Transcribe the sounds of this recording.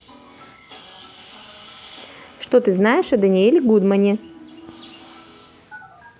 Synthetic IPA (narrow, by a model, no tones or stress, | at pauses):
ʂt̪ot̪ɨznajɪʂɐd̪ɐnʲielʲɪɡud̪mənʲɪ